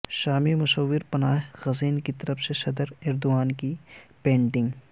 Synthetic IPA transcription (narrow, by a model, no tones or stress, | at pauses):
ʃaːmimʊʃəwːɪɾpɐnaːɦɣɐziːnkit̪ɐɾəfseʃɐd̪əɾɪɾd̪ʊaːnkipẽːɳʈɪ̃ŋɡ